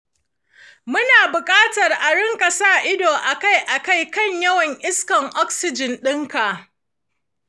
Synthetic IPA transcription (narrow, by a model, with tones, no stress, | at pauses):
mʊ˦naː˨bʊ˨kʼaː˦tɐ˨rʔa˨ɽɪ˦ŋkɐ˨sa˦˨ʔɪ˦doː˨ʔa˨ka˦jʔa˨ka˦˨jkɐ˦ɲjɐ˦wɐ˨ɲʔɪ˦skɐ˨ŋʔɔ˦ksɪ˨d͡ʒɪ˨nɗɪ˦ŋka˨ʔ